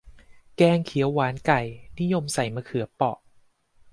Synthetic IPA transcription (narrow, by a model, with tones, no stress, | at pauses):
kɛː˧ŋkʰi˩˦əwːaː˩˦nka˨˩jni˦˥˨jo˧msa˨˩jmaː˧kʰɯ˨˩˦pɔ˨˩ʔ